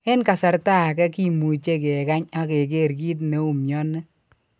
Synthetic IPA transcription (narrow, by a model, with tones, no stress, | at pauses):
ɛ˦nka˨sa˨ɾta˦a˨kɛ˦ki˦mu˨t͡ʃe˦kɛ˨ka˦ɲa˦ke˨k̬e˦˨ɾkiː˦t̬ne˦u˨mjɔ˦nɛ˦